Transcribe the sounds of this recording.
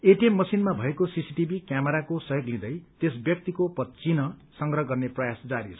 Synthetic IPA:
eʈiemːʌsinmabʱʌekosisiʈibʱikjameɾakosʌjoɡlĩd̪ʌjt̪esbjʌk̚t̪ikopʌtt͡sinʌsʌŋɡrʌɦʌɡʌrneprʌjasd͡zaɾit͡sʰʌ̥

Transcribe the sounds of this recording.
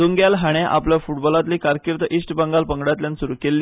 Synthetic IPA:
uŋɡjalɦaɽ̃eʔa̰pljafuʈbɔlat̪liːkaɾkiɾt̪əʔisʈbəŋɡalpəŋɡɽat̪ljansuɾuːkelːi

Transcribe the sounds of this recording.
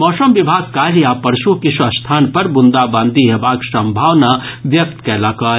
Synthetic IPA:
mɔːsəmʋɪbʱaːɡ̚kaːɾjapɐɾʃukɪʃʋɐst̪ʰaːnpɐɾbʊnd̪abãːnd̪ʱiɦebaːksɐ̃mbʱaːʋnaʋjɐk̚t̪kɛːlakaː

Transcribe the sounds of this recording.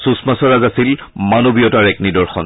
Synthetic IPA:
susmasɔɹazasilmanobijɔtaɹɛknidɔɹxɔn

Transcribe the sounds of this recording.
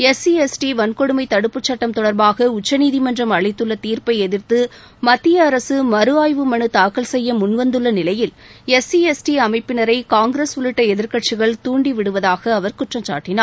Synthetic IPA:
ɛsiɛsʈiʋɐnkɔɽɯmɐɪt̪ɐɽɯpːɯt͡ʃːɐʈːɐmt̪ɔɽɐɾbaːɣɐʊt͡ʃːɐniːðimɐndrɐmɐɭɐɪt̪ːɯɭːɐt̪iːɾpɐɪɛðɪɾt̪ɯ | mɐt̪ːɪjɐːɾɐsɯmɐɾɯaːjʋɯmɐɳɯt̪aːkɐlsɛjːɐmʊnʋɐnd̪ɯɭːɐnɪlɐjɪl | ɛsiɛsʈiɐmɐɪpːɪnɐɾɐɪkaːŋɡɾesʊlɪʈːɐɛðɪɾkɐʈ̚t͡ʃɪɣɐɭt̪uːɳɖiʋɪɽɯʋɐðaːɣɐːʋɐɾkʊʈrɐmt͡ʃa̰ːʈːɪnaː

